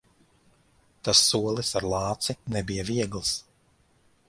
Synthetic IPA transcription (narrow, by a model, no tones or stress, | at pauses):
t̪asːuɔlˠisaɾlˠɑːt̪sinɛbijɐviɛɡlˠs